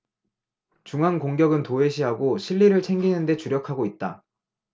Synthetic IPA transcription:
t͡ɕuŋɦankoŋɡjʌɡɯntoe̞ɕʰiɦaɡoɕʰiɭːiɾɯɭt͡ɕʰe̞ŋɡinɯnde̞t͡ɕuɾjʌkʰaɡoit̚t͈a̰

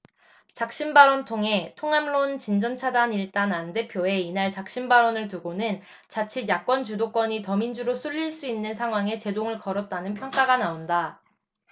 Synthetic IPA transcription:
t͡ɕak̚ɕ͈inbaɾʌntʰoŋɦe̞tʰoŋamɭont͡ɕind͡ʑʌnt͡ɕʰadaniɭt͈anande̞pʰjoe̞inaɭt͡ɕak̚ɕ͈imbaɾʌnɯɭtuɡonɯn | t͡ɕat͡ɕʰijak͈̚wʌnt͡ɕudok͈wʌɲitʌmind͡ʑuɾosʰuʎːiɭs͈uinːɯnsʰaŋɦwaŋe̞t͡ɕe̞doŋɯɭkʌɾʌt̚t͈anɯnpʰjʌŋk͈aɡanaonda

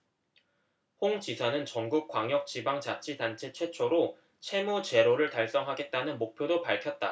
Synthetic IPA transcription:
hoŋt͡ɕisʰanɯnt͡ɕʌŋɡuk̚k͈waŋjʌk̚t͡ɕibaŋt͡ɕat͡ɕʰidant͡ɕʰe̞t͡ɕʰwe̞t͡ɕʰoɾo | t͡ɕʰe̞mot͡ɕe̞ɾoɾɯɭtaɭs͈ʌŋɦaɡe̞t̚t͈anɯnmok̚pʰjodopaɭkʰjʌt̚t͈a̰

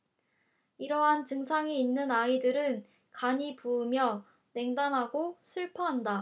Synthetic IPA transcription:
iɾʌɦant͡ɕɯŋsʰaŋiːnːɯnaidɯɾɯn | kaɲipuːmjʌ | ne̞ŋdamɦaɡoɕʰiɭpʰʌɦanda

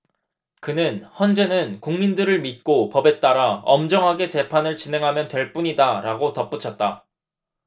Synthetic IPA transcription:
kɯnɯnçjʌnd͡ʑe̞nɯnkuŋmindɯɾɯɭmit̚k͈opʌbe̞t͈aɾaʌmd͡ʑʌŋɦaɡe̞t͡ɕe̞pʰanɯɭt͡ɕinɦe̞ŋɦamjʌntwe̞ɭp͈uɲidaɾaɡotʌp͈ut͡ɕʰʌt̚t͈a

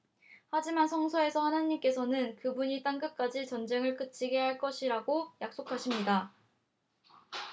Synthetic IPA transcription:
had͡ʑimansʰʌŋsʰʌe̞sʰʌhanaɲːimk͈e̞sʰʌnɯnkɯbuɲit͈aŋkɯk͈ad͡ʑit͡ɕʌnd͡ʑe̞ŋɯɭk͈ɯt͡ɕ͈ʰiɡe̞ɦaɭk͈ʌɕʰiɾaɡojak̚s͈okʰaɕʰimɲida

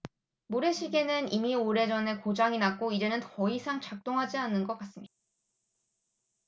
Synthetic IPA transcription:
muɾe̞ɕʰiɡe̞nɯnimioɾe̞d͡ʑʌne̞kod͡ʑaŋinak͈oid͡ʑe̞nɯntʌisʰaŋt͡ɕak̚t͈oŋɦad͡ʑianːɯnɡʌk͈as͈ɯmɲida

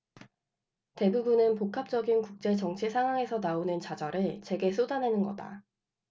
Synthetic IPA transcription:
te̞bubunɯnpokʰap̚t͡ɕ͈ʌɡinkuk̚t͡ɕ͈e̞t͡ɕʌŋt͡ɕʰisʰaŋɦwaŋe̞sʰʌnaonɯnt͡ɕad͡ʑʌɾɯɭt͡ɕwe̞ɡe̞s͈ʰodanɦenɯnɡʌda̰

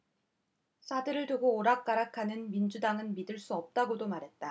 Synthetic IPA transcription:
sʰadɯɾɯɭtuɡoːɾak̚k͈aɾakʰanɯnmind͡ʑudaŋɯnmidɯɭs͈uʌp̚t͈aɡodomaɾɦe̞t̚t͈a

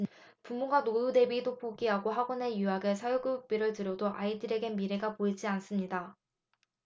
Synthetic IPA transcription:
pumːuɡanoude̞bidopʰoɡiaɡoɦaɡonejuaɡesʰajoɡɯuk̚p͈iɾɯɭtɯɾjodoʔaidɯɾe̞ɡe̞miɾe̞ɡapoid͡ʑians͈ɯmɲida

